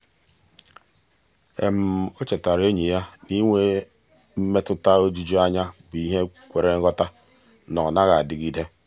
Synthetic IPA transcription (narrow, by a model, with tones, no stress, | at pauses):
ḛ˨m̩˨o˦t͡ʃe˨ta˨ɾe˦ɲi˨ja˦ni˦ŋʷe˦ | m̩˦me˦tʊ˦ta˦o˦d͡ʒi˦d͡ʒo˦a˦ɲa˦bʊ˨i˦ɦe˦kʷe˨ɾe˨ŋ̩˦ɣɔ˦ta˦ | nɔ˨na˦ɣa˨dɪ˨ɡi˦de˦